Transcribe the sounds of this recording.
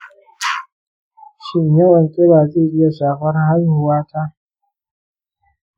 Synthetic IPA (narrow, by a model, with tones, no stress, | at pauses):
ʃɪ˦ɲja˦wɐ˨ŋkʲʼe˦baː˨zeː˦˨ʔɪ˦ja˨ʃaː˨ɸɐ˦rha˦jʊ˨waː˦tʰaː˦